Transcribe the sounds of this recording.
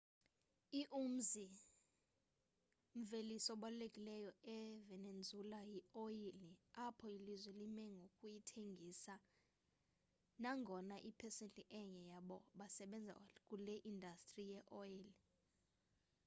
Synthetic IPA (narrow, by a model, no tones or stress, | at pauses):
iʔum̩zi | ɱ̩velisɔɓalulekʼilɛjɔɛvɛnend͡zʱulajioiliapʰɔilizwɛlimɛŋɡʱokʼujitʰeŋɡʱisa | naŋɡʱɔnaʔipʰɛsentʼiʔɛɲɛjaɓɔɓasɛɓɛnd͡zʱa̰k̬ʼulɛʔindʱastʼrijɛʔɔili